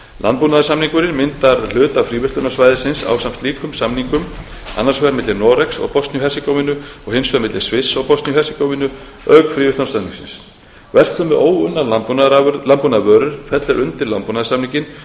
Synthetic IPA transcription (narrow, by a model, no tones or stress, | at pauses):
lʔa̰nt̪punaðɪsamniŋkʏɾɪnmɪnt̪aɾl̥ʏːt̪afɾiːvɪht̪ʏnasvajðɪsɪnsa̰wsamst̪liːkʏmsamniŋkʏm | a̰nːaɾ̥svɛɾmɪt̪lɪɾnɔɾɛksɔ̰ɣpɔst̪njʏɦɛrsɪkowmɪnʏɔɣhɪnsvɛɾmɪt̪lɪɾ̥svɪsːɔɣpɔst̪njʏɦɛrsɪkowvɪnʏ | œkfɾiːvʏt̪ɔnsaniŋksɪ̰ns | vɛr̥t̪θʏmːɛʔoːwʏnːalalanpunavœːɾʏɾ̥fɛt̪lɛɾʔʏnt̪ɪɾlanpunaðsamniŋcɪn